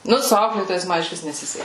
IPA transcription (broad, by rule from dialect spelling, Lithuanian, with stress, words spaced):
ˈnʊ sʊ ˈɐʊklʲeːtoːjɛɪs ˈmɐ ɪʃʲˈʋʲɪs nʲɛˈsʲɪsʲɛkʲɪ